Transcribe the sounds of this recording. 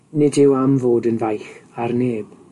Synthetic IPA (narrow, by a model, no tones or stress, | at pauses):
nɪdɪwamvoːdənvajxarneːb̥